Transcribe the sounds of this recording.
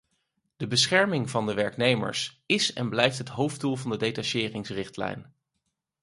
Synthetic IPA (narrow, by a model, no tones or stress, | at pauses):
d̥əbəsχɛɹmɪŋvɑndəʋɛɹknejmə̰ɹs | ɪsɛ̰nblɛjftɦətɦowfdulˠvɑndədejtɑʃɪːrɪŋsrɪχtlɛ̰jn